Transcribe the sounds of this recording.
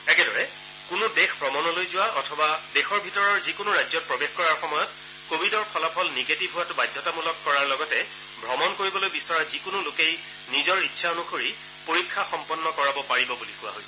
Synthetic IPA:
ɛkɛdɔɹɛ | kʊnʊdexpɹɔmɔnɔlojzʊwaʔɔtʰɔbadexɔɹbʱitɔɹɔɹzikʊnʊɹajzɔt̚pɹɔbexkɔɹaɹxɔmɔjɔt | kobʱidɔɹpʰɔlapʰɔlneɡetibʱɦʊwatʊbajdʱɔtamulɔkːɔɹaɹlɔɡɔtɛ | bʱɹɔmɔnkoɹibɔlojbisɔɹazikʊnʊlokej | nizɔɹitːsʰaonʊxʰoɹi | poɹikʰːaxɔmpɔnːɔkɔɹabɔpaɹibɔbulixʊwa̰ɦojsɛ

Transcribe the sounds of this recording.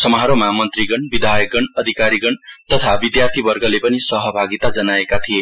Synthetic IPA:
sʌmɦaɾomʌamʌnt̪riɡʌnbid̪ʱajʌk̚ɡʌnʌd̪ʱikaɾiɡʌɳt̪ʌt̪ʰabid̪jart̪ʰibʌrɡʌlepʌnisʌɦʌbʱaɡit̪ad͡zʌnaekat̪ʰie

